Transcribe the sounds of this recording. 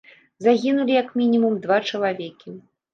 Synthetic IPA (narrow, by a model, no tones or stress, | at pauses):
zaɣʲinulʲijɐkmʲinʲimumd̪vat͡ʂɐlˠavʲɛkʲi